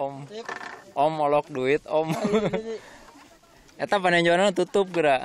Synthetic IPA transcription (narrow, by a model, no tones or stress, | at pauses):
ɔm | ɔmɔlɔk̚duit̪̚ɔm | ɛt̪apanaɲd͡ʒonaŋt̪ut̪ʊp̚ɡəɾa